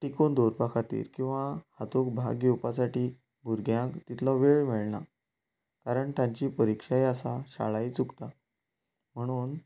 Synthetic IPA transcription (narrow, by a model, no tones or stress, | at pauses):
ʈikond̪oɾpakʰat̪ḭːɾkĩw̃ʋahat̪okbʱa̰ɡewpasaʈiː | bʱuɾɡjãkt̪it̪ʰlɔʋeɭmeɭna̰ | kaɾəɳt̪ãɲt͡ɕiːpəɾikʂajasaɕa̰ɭajt͡sukt̪a | m̤əɽ̃uːn